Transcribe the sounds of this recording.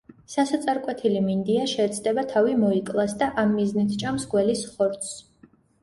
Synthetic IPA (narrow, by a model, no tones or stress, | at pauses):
sasat̪sʼaɾkʼwɛt̪ʰilimind̪iaʃɛːt̪sʰd̪ɛbat̪ʰavimɔikʼlˠasd̪aʔamːiznit̪ʰt͡ʃʼamsɡwɛlisχɔɾt̪s